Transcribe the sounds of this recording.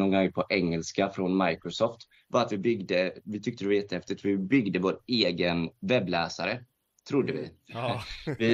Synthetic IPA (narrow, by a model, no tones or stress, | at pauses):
ɔŋɡaŋpʰɔʔɛŋːɛlskafɾɔnmajkɾʊsɔft̪ | vɑɾat̪vɪbʏɡd̪əvɪt̪ʰʏkt̪əd̪ɛvajɛt̪ːəhɛft̪ɪt̪vɪbʏɡd̪əvoːɾeːɡənvɛbːlæːsaɾə | t̪ʰɾʊd̪ːəvɪ̰ | vɪ